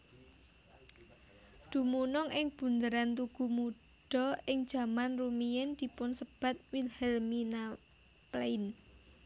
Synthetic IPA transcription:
d̪̥ṳmunɔŋɪŋb̥ṳnd̪əɾant̪uɡ̥ṳmu | ɖ̥ɔ̤ɪŋd̥ʒ̥a̤manrumiɛnd̪̥i̤pʊnsəb̥a̤t̪̚wilhɛlmina | plaɪn

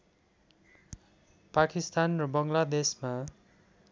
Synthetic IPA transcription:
pakist̪anrʌbʌŋlad̪esma

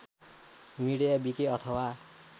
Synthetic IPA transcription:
miɽijabikeʌt̪ʰʌwa

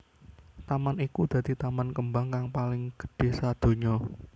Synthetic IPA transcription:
t̪amanikud̪̥ä̤d̪̥i̤t̪amankəmbaŋkaŋpalɪŋɡ̥ə̥ɖ̥e̤hsad̪̥o̤ɲɔ

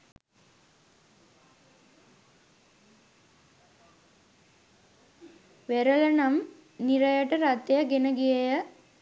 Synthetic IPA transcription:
ʋeɾələnɐm | niɾɐjəʈəɾat̪ːejəɡenəɡijejə

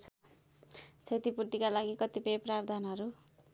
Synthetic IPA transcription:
t͡sʰʌjt̪ipurt̪ikalaɡikʌt̪ipʌjprabd̪ʱanɦʌɾu

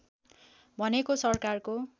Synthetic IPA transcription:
bʱʌnekosʌrkarko

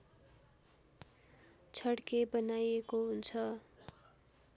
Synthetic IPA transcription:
t͡sʰʌɽkebʌnajekoɦunt͡sʰʌ

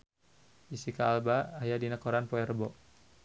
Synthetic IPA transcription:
isikaːlbaːjadinakɔɾanpɔɛrəbɔ

